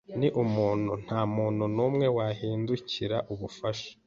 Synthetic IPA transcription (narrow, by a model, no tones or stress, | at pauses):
niʔumuːn̥hun̥haːmuːn̥hunuːmŋe̞wahiːnduciɾaʔuβufaʃḁ